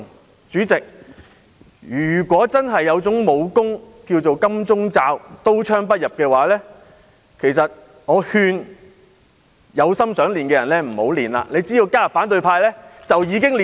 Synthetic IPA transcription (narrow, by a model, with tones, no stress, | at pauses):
t͡syː˨˥t͡sɪ˨k̚ | jyː˨˩kʷɔː˨˥t͡sɐ˥nɦɐ˨jːɐ˨˧wt͡sʊ˨˥ŋmo˨˧wkʊ˥ŋ | kiː˧wt͡so˨wkɐ˥mt͡sʊ˥ŋt͡saː˧wt̪o˥wt͡ʃʰœː˥ŋpɐ˥t̚jɐ˨p̚kɛː˧waː˨˥lɛː˥ | kʰe˨˩js̬ɐ˨t̚ | ŋɔː˨˧hyː˧n | jɐ˨˧wsɐ˥msœː˨˥ŋliː˨nkɛː˧jɐ˨˩nlɛː˥m̩˨˩ho˨˥wliː˨˩nla̰ː˧le˨˧jt͡siː˥ji˧wkaː˥ɐ˨faː˨˥nt̪ɵ˧ɥpʰaː˧jlɛː˥t͡sɐ˨wjiː˨˧kɪ˥ŋli˨